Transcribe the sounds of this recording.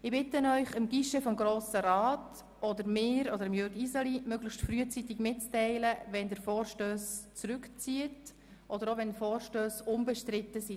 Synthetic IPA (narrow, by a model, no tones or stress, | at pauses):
ɪbɪtənœʏχəmɡ̥iʃəfɔmɡɾoːsəɾɑːt | ɔdəɾmɪːɾɔdəɾɪmjʏɾɡisɑlimøɡləxʃtfryət͡sitɪɡmɪtt͡stɛɪləʋɛndəɾfɔːrʃtøːst͡sɾʉkt͡siət | ʔɔdəɾoʋɛnfɔːɾʃtøːsʊmbɛʃtɾɪtːəsi